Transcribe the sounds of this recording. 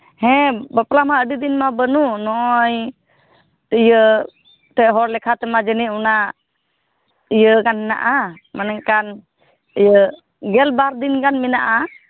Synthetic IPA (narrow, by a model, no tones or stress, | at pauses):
hɛ̃bəpɾlamaəɖid̪inmabənunɔj | ijə | t̪ɛɦɔɾlɛkʰat̪ɛmad͡ʒəniuna | ijəkanhɛna̰ʔa | manɛŋkan | ijə | ɡɛlbaɾd̪inkanmɛnaʔa